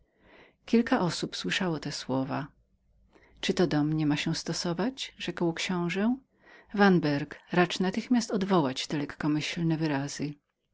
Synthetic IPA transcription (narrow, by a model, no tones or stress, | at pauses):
kʲilkaʔɔsupswɘʂawɔt̪ɛswɔva̰ | t͡ʂɨt̪ɔd̪ɔmɲɛmaɕɛ̃st̪ɔsɔvad͡ʑʐ̥ɛkwkɕɔ̃w̃ʐɛ | vanbɛɾkɾat͡ʂnat̪ɘxmʲast̪ɔd̪vɔwat͡ɕt̪ɛlɛkːɔmɘɕlnɛvɘɾaz̥ɘ